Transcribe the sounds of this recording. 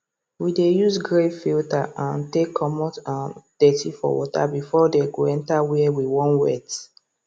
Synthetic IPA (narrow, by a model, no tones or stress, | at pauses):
widejuzɡɹefiltaãntekʰːɔmɔtãnd̥ɛtifɔ̰wɔta̰bifɔdeɡoɛ̃ntawiɛwiwɔ̃nwɛ̰t